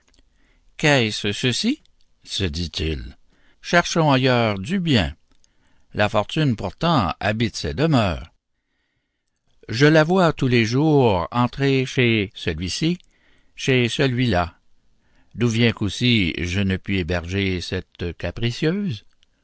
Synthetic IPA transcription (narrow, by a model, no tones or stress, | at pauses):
kɛssəsi | səd̪it̪ʰil | ʃɛʁʃɔ̃ajœːʁd̪ybjɛ̃ | lafɔʁt̪ynpuʁt̪ɑ̃a̰bit̪sɛd̪əmœːʁ | ʒəlavwat̪uleʒuːʁɑ̃t̪ʁeʃesəlɥisi | ʃesəlɥila | d̪uvjɛ̃kosiʒənəpɥiebɛʁʒesɛt̪kapʁisjøːz